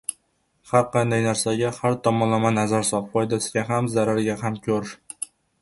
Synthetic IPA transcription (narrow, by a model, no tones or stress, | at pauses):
haɾqʰɑnd̪ajnaɾsaɡʲahaɾt̪ʰɒmɒnlamanazaɾsɒpfɒjd̪asɪɡʲaɦamzaɾaɾɡʲaɦamkʲʰɵɾ